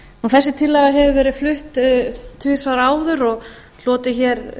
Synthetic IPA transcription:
ɔwθɛsːɪt̪ʰɪlːɛɣaɦɛvʏvɛːɾɪðflʏht̪t̪ʰʏsvaɾaːwðʏɾɔɣ | l̥ɔːt̪ɪçɛɾ

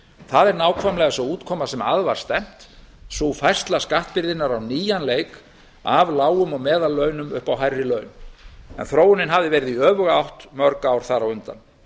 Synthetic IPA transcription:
θaðɛɾnaːwkʰvajmlɛɣasɔuːt̪kʰɔːmasɛmaðvaɾ̥st̪ɛm̥t̪ | sufajr̥st̪laskaht̪̚pɪɾðɪnaɾawniːjanleːjk | avlaːwʏmɔɣmɛːðalːœːɥnʏmʏ̰hpawɦajrːɪlœːɥnɛ̰nθɾoːwʏnɪnɦavðɪvɛːjɾɪðiœːvʏɣaawht̪mœɾkaːwɾ̥θaɾawʏnt̪a̰n

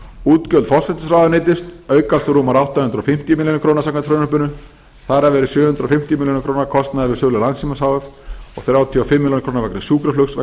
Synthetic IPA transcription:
uːt̪cœlfɔ̥sɛt̪ɪsrawðanɪːt̪ɪst̪œːɥkast̪ʏɾuːmaɾawht̪ahʏnt̪ɾɔfɪm̥t̪jʏmiljonkʰɾoːwnasakant̪fɾœnʏpʏnʏ | θaɾavɛːɾɪ̥sjʏːhʏnt̪ɾaɔfɪm̥t̪jʏmiljonɪkʰɾoːwnakʰɔst̪naðɪvɪsœːlalansimasawɛɾɔ̰ɣθɾjawt̪ʰiafɪmːɪljonkʰɾoːnavakɾɪ̥sjuːkɾaflœksva̰

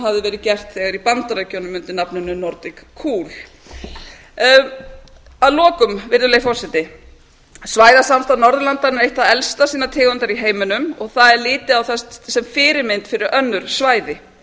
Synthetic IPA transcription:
ɦavðɪvɛːɾɪðcɛr̥t̪θɛɣaɾipant̪aɾacɔwnʏmʏnt̪ɪnapnʏnʏnɔɾt̪ɪkkʰːuːl̥ | aðlɔːkʏmvɪɾðʏlejfɔsɪt̪ɪ | svaːjðasamst̪anɔɾðlant̪aɾnɪɾejht̪aðɛlst̪asiːnat̪ʰɪːɣʏnt̪aɾiɦeːjmʏnʏmɔɣθaðɛɾlɪːt̪ɪawθɛsɛmfɪːɾɪɾmejnt̪fɪɾɪɾœnːʏɾ̥svaːjðɪ

